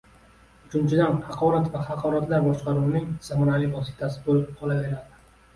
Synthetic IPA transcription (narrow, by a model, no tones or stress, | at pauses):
ʊt͡ʃʰʊnt͡ʃʰɪd̪anhɑqʰɒɾat̪vahɑqʰɒɾat̪laɾbɒʃqɑɾunɪŋz̥amɒnalɪvɒsɪ̥t̪ʰasɪbolɪp̚qʰɒlˠave̞ɾad̪ɪ̥